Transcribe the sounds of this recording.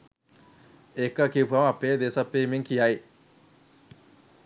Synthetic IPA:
ekːɐkipʰuɐmɐpːeːd̪esɐpːeːmiŋkijaj

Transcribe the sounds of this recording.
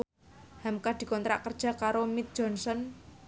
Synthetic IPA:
hamkad̪̥i̤kɔnt̪ɾa̰ʔkərd̥ʒ̥a̤kaɾomit̪̚d̥ʒ̥ɔnsɔn

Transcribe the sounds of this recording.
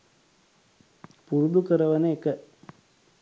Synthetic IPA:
puɾud̪ukəɾəʋənəekə

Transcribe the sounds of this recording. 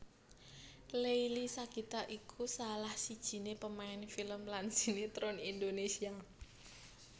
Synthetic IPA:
lejlisakit̪aʔʔikʰusalahsid̥ʒ̥i̤nepəmaɛnfiləmlansinet̪ɾɔnindonesia

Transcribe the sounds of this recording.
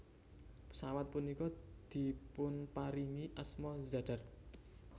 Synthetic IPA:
pə̥sawat̪̚punikɔd̪̥i̤pʊnpaɾiniʔasmɔzaɖ̥a̤r

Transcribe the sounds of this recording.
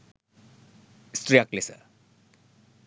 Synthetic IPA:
strjaklesʌ̰

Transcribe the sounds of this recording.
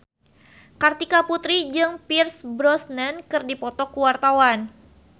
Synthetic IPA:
kart̪ikaput̪ɾid͡ʒɨŋpirsbɾɔsnənkɨrdipɔt̪ɔkuwart̪awan

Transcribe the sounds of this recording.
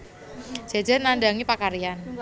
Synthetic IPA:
d͡ʒ̥a̤d͡ʒarnandaŋipakaɾian

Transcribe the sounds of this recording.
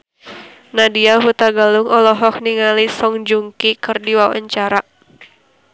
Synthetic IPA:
nadiaɦut̪aɡaluŋɔlɔɦɔkniŋalisɔŋd͡ʒuŋkikɨrdiwawa̰ɲt͡ʃaɾa

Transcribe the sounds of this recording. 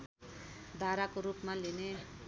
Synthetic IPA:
d̪ʱaɾakoɾupmaline

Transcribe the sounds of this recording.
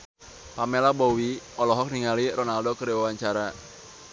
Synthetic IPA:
pamɛlabɔwiɔlɔɦɔk̚niŋaliɾɔnaldɔkəɾiwawaɲt͡ʃaɾa

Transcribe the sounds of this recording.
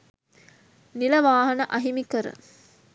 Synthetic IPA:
nilɐʋaːɦɐnɐʔɐɦimikəɾə̰

